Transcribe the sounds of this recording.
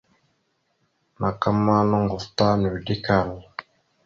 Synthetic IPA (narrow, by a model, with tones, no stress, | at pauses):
na˨ka˦mːa˦nɔ˦ŋɡu˨fta˦nu˨di˦ka˨l